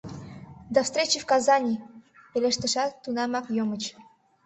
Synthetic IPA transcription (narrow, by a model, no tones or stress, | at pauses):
d̪afst̪ɾʲet͡ɕifkɑzɑnʲipelʲeʃt̪ə̆ʃɑt̪ːunɑmɑkjomə̆t͡ɕ